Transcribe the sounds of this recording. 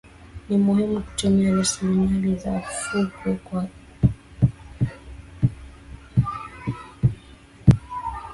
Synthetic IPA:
nimuhimuku̥tɛɲaɾasilimalizafukɔkwa

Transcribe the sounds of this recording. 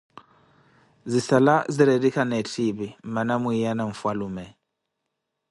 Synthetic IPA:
zisalaziɾɛdikanɛtʰiβim̩manamwijanaɱ̩fwalumɛ

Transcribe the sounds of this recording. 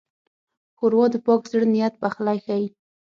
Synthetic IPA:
xʊɾwɑd̪əpɑkzəɽnɪjat̪̚baxlajxawi

